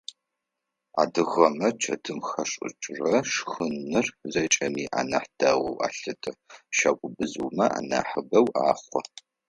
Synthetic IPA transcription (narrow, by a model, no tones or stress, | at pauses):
a̰ːdɨʁɐmɐt͡ʃʰɐ̰dɨmxɐʂʼɪ̰t͡ʃʼrɐʂxɨnːɨrzɐt͡ʃʼɐmiːʔa̰ːnaħd̥aʁʷɔwʔa̰ːɬɨtʰʼɐʃakʷʼʊbɨzuːmɐʔa̰ːna̰ːħəbɐwaːχʷɔ